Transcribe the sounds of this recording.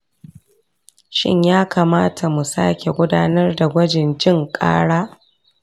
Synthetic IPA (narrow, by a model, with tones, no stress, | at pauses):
ʃɪ̰˦ɲjaː˦kaː˨maː˦tʰa˨mu˨sa̰ː˦kʲe˨ɡʷʊ˦daː˦nɐ˦rda˨ɡʷɐ˦d͡ʒɪ˨nd͡ʒɪ˦˨ŋkʼa̰ː˦ɽaː˦